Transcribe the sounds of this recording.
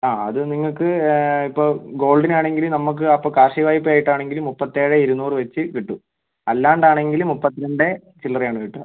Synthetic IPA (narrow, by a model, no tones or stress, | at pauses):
aːɐ̰ðɨniŋːɐɭkɨipːoːɡo̞ːɭɖinaːɳe̞ŋɡilumnɐmːuk̬ːɨɐpːokaːrʂiʋaːjipːɐaːjiʈːaːɳe̞ŋɡilumːupːɐt̪ːeːɻeiɾunuːrʋet͡ɕːɨʋiʈːu | ɐlːaːɳɖaːɳe̞ŋɡilumːupːɐt̪ːiɾɐɳɖe̞ | t͡ɕilːɐrejaːɳɨʋiʈːṵ